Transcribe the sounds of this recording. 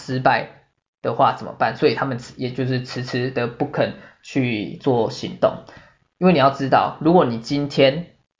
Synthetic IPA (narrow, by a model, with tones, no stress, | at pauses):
ʂɻ̩˥pa˥˩ɪ | d̪̥ə˨xwa̰˥˨t͡sə˨˩nmə̰˨˦pa˥˨nswɔ˧˦˥i˨˩t̪ʰa˦˥mə˨nʰ˩jɛ˨˩t͡ɕjo˥˧ʊʂɻ̩˥˩t͡sʰɻ̩˧˥t͡s̩ʰ˥d̪ə˨pu˥˩kʰə˨˩n | t͡ɕʰy˥˧t͡swɔ˥˨ɕḭ˧˥ŋt̪o̰˥˩ŋ | i˥nwe˥˩ni˨jɑ˥˩ʊʈ͡ʂɻ̩˦t̪ɑ̰˥˩ʊlu˧˥kwɔ˨˩ni˨˩t͡ɕi˦˥nt̪ʰjɛ˦˥n